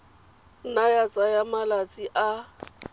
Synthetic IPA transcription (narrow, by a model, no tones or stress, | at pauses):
najat͡sʼajamalat͡sʼiʔa